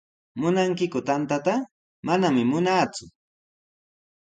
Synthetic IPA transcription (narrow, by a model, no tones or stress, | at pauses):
mʊnaŋkɪkʊt̪ant̪at̪a | manamɪmʊnaːt͡sʊ